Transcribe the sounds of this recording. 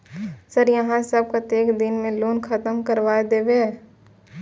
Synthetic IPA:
səɾjɐɦãsəb̚kat̪eːkd̪ɪnmẽloːnkʰət̪əmkəɾʋaːed̪eːweɛ

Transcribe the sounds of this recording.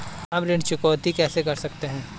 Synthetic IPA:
amɾɪɳt͡ʃʊkɔːt̪ikɛːsekɐɾsɐk̚t̪eɦɛ̃ː

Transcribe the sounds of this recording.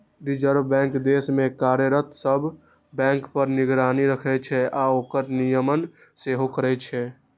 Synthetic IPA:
ɖid͡ʒəɾbbɛ̃ŋkd̪esmẽkaɾjəɾət̪səbʱ | bɛ̃ŋkpəɾniɡɾaniɾəkʰɛt͡ʃʰɛaoːkəɾnijəmən | seɦokəɾɛt͡ʃʰɛ

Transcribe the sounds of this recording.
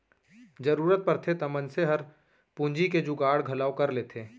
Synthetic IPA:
d͡ʒəɾuːɾət̪̚pəɾt̪ʰet̪ɐmənseɦəɾ | pũnd͡ʒiked͡ʒʊɡaːɽɡʱɐlaːokɐɾleːt̪ʰeː

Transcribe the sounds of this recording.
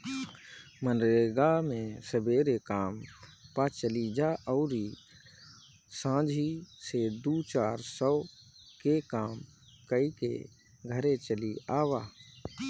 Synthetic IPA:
mənɾeɡamẽsəbeːɾekaːmpat͡ʃəlid͡ʒaʔɔʊɾi | sãːd͡ʒʱised̪ut͡ʃaːɾsɔkekaːm | kəikḛ | ɡʱəɾet͡ʃəliaːwaː

